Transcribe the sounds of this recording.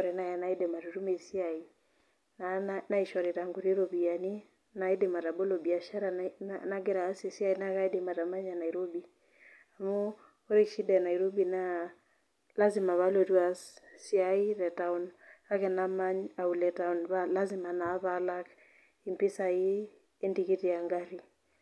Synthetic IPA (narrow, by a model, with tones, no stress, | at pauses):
ɔɾɛ˨na˦jana˨i˦dɛ˨ma˨ɾu˨ɾu˦me˨si˦ai˨ | nanana˦i˨ʃɔ˨ɾe˨ta˨ŋɡu˨ɾi˦ɾobi˨a˨ni˦ | na˨i˦de˨ma˨ɾa˨bo˦lo˨bi˨a˨ʃa˦ɾana˦ɡɛ˦ɾaː˨˦si˨si˦a˦ina˦ka˦i˦dema˨ɾa˨ma˦ɲana˨iɾo˦bi˨ | a˨mo˦ | o˦ɾe˦kʃi˦da˨na˨iɾo˦bi˨na | la˦zima˨βa˦lɔ˨twa˨ssi˦ai˦ɾɛ˨ta˨una˦kɛ˨na˦maɲa˨u˨lɛta˨u˨nβala˦zima˨na˨˦βala˦k | i˨mpi˦sa˨iː˦ | ndiki˦tia˨ŋɡaɾi˨